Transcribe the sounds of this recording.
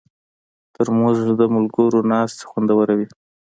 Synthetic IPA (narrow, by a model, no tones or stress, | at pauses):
t̪əɾmozd̪əmʊlɡəɾonɑst̪e̥xwand̪awəɾawi